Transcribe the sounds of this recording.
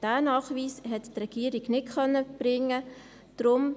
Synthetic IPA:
d̥æːnɑːχʋiːsɦɛttrɛɡ̥iːɾiɡnɪtkœnːəb̥ɾɪŋə | d̥ɾʊm

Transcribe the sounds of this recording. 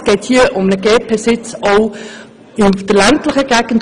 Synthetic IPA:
ɡ̥ɛɪthiːəʔʊmnəɡɛːp̚pʰɛsɪt͡soʊ | ɪnd̥əlæntləχəɡ̥æɡ̥ən̩t

